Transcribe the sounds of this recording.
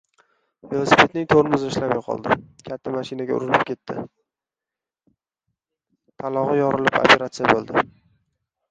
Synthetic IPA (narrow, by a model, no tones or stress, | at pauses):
velˠosi̥pʰe̞t̪̚nɪŋt̪ʰoɾmʊzɪʃlamjqʰɒ̰lˠd̪ɪkʲʰat̪ʰːamaʃinaɡʲaʊ̰ɾɪlɪpkʲʰe̞t̪ːɪ̰ | t̪ʰalˠɒʁɨjɒɾɪlɪpa̰pʰe̞ɾat̪sɨjabolˠd̪ɪ